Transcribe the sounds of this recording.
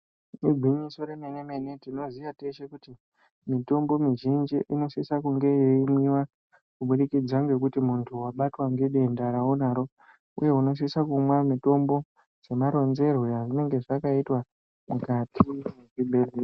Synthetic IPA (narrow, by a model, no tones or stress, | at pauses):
miɡʱiɲiso̞ɾemene̞me̞ne̞tino̞ziʋateʃe̞kuti | mito̞mbo̞miʒind͡ʒiʔino̞sisakuŋɡe̞jeimwiwa | kuɓuɗikid͡zaŋɡe̞k̬utimuntʰuwaɓatwaŋɡe̞ɗe̞ndaɾaonaɾo̞ | ṵje̞uno̞s̬isakumwamito̞mbo̞ | d͡ze̞maɾo̞nze̞rweaʐine̞ŋɡe̞ʐakaitwa | mukatʰimekiɓere